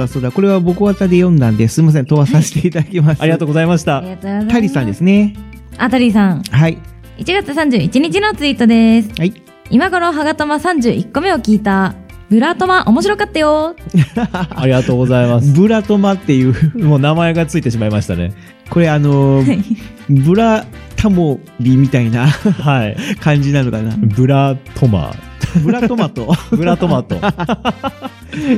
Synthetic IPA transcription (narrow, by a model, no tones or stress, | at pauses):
aso̞ːd̪ako̞ɾe̞βabo̞kɯ̟βat̪ad̪e̞jõ̞nd̪ãnd̪e̞sɨɾimas̬ẽ̞nt̪o̞βasase̥t̪e̞it̪ad̪akʲimasaɾʲiɡat̪oːɡozaimaɕi̥t̪aɾiat̪t̪aɾʲisãnd̪e̞sɨne | at̪aɾʲisãŋhai | it͡ɕiɡat͡sɨsãɲ̟d͡ʑɨːit͡ɕiɲ̟it͡ɕino̞t͡sɨit̪o̞d̪e̞sɨ̥ha | imaɡo̞ɾoɦaɡat̪o̞masãɲ̟d͡ʑɨ̰ːʔikːo̞me̞o̞kʲiːt̪a | bɯ̟ɾat̪o̞maʔo̞mo̞ɕ̬iɾo̞kat̪ːajo | aɾʲiɡat̪o̞ːɡo̞zaimasɨ̥bɯ̟ɾat̪o̞mat̪ːe̞jɯ̟ːmoːnamae̞ɡat͡sɨit̪e̞ɕimaimaɕi̥t̪ane̞̰ | ko̞ɾe̞ano̞ | bɯ̟ɾat̪ʰamo | bʲimʲit̪ainahaikãɲ̟d͡ʑinanɯkanabɯ̟ɾat̪ʰoma̰ | bɯɾat̪omat̪obɯ̟ɾat̪o̞mat̪o